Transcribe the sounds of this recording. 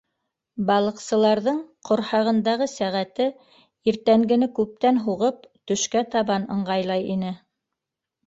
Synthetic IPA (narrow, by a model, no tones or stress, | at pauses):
bɑlˠɤ̆qsɤ̆lˠɑɾðɤɴqʰŏɾhɑʁɤ̆nd̪ɑʁɤsæʁæt̪ɘ | iɾt̪æŋɡɘ̆nɘkʉp̚t̪ænɦuʁɤp̚t̪ɵ̆ʃkæt̪ɑβɑnɤ̆ɴɢɑjlˠɑjinɘ